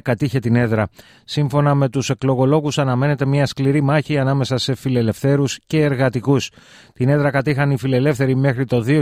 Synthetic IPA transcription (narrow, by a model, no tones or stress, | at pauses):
kɐt̪içe̞t̪ine̞ðɾɐ | siɱfo̞nɐme̞t̪use̞klo̞ɣo̞lo̞ɣusɐnɐme̞ne̞t̪e̞mɲɐskliɾimɐçiɐnɐme̞sɐse̞file̞le̞fθe̞ɾusce̞ːɾɣɐt̪ikus | t̪ine̞ðɾɐkɐt̪ixɐnifile̞le̞fθe̞ɾime̞xɾit̪o̞ðio